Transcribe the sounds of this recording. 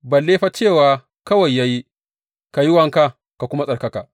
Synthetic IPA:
ba˨lːeː˦ɸa˦t͡ʃeː˦˨waː˨ | kɐ˦wɐ˨jːa˦ji˦ | ka˨ji˦wɐ˨ŋka˦ | ka˨kʷʊ˦ma˦sʼɐ˨kɐ˦kaː˨

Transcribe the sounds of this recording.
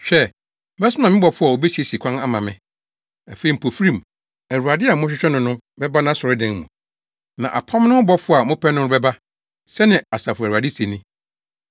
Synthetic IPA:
ɕᶣɛ˦ | bɛ˦snã˨mɪ̃˦bɔ˨fʊ˦a˨o˨bɛ˦si˨e˦si˨kʰã˦na˦mã˨mɪ̰̃˦ | a˨fe˨i˨m̩˨pʰo˨fɾĩ˨m | æ˨ɾu˨a˨dɪ˦a˨˦ʊ̃˦ɕᶣɪ˦ɕᶣɛ˦nʊ̃˨nʊ̃˦ | bɛ˦ba˦nã˨˦sɔ˨ɾɪ˦dɛ̃˨ŋ˦mũ˨ | nã̰˨ʔa̰˨pʰã˦mnʊ̃˦bɔ˦fʊ˦˨a˨mʊ̃˦pʰɛ˦nʊ̃˦bɛ˦ba˦ | sɛ˦nɪ̃˨a˨sa˨fʊ˨æ˨u˨a˨dɪ˦se˨nĩ˦

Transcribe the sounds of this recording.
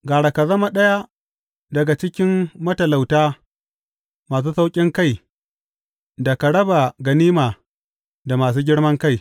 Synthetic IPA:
ɡaː˨ɽa˨ka˨zɐ˦ma˦ɗɐ˦ja˦ | dɐ˨ɡa˨t͡ʃɪ˦kʲɪ˦mːɐ˦tɐ˨la˨wtaː˦ | maː˨s̬uː˦sa˦wkʲʼɪ˦ŋka˦˨j | da˨ka˨ɽɐ˦ba˨ɡɐ˨niː˦maː˨ | da˨maː˨s̬uː˦ɡʲɪ˦ɽmɐ˦ŋka˦j

